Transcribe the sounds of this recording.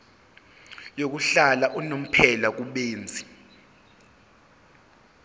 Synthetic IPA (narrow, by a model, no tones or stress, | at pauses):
jok̬uɬalaʔunom̩pʰɛlak̬uɓeːnd͡zʱi